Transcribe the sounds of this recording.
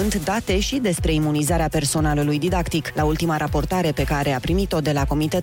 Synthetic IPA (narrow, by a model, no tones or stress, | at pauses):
ɨnt̪d̪at̪e̞ʃid̪e̞spɾe̞imunizaɾeape̞rso̞nalulujd̪id̪akt̪iklault̪imaɾapo̞rt̪aɾe̞pe̞kaɾe̞apɾimit̪o̞d̪e̞lako̞mit̪e̞t̪